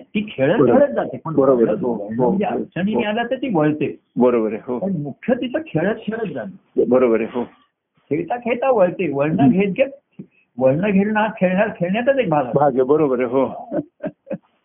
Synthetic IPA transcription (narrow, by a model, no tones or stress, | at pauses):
t̪iːkʰeɭəkʰeɭət̪̚d͡zat̪eməɳbəɾobəɾoʋəɭnɦoəjat͡ɕəñinialat̪et̪iːʋəɭt̪e | bəɾobəɾeɦotəɾmukʰjət̪it̪ʰəkʰeɭət̪kʰeɭət̪̚d͡zat̪e | bəɾobəɾeɦo | kʰeɭt̪akʰeɭt̪aʋəɭt̪eʋəɭnəɡʱet̪̚ɡe | ʋəɭnəɡʱeɭɳakʰeɭɳaɾkʰeɭɳjat͡s̪ət̪ek̚bʱalabʱaɡebəɾobəɾeɦo